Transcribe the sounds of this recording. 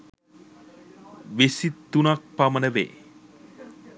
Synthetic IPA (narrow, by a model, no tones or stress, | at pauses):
ʋesit̪ːunak̚pamənəʋḛː